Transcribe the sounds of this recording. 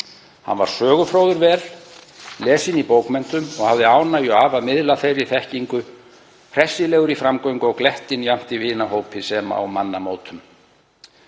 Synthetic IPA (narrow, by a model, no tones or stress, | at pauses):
ha̰nva̰ɾ̥sœːɣʏfɾowðʏɾvɛːɾ̥ | lɛːsinipoːwkmɛn̥t̪ʏmɔɣhavðɪaːwnajɔaːvamɪðlaθejrːɪθɛhciŋkʏ | pʰɾɛsːɪlɛːɣʏɾifɾamkoɥjŋkɔɣklɛht̪ɪnjam̥t̪ivɪːnahoːwpɪsɛma̰a̰wmanːamoːwt̪ʰʏm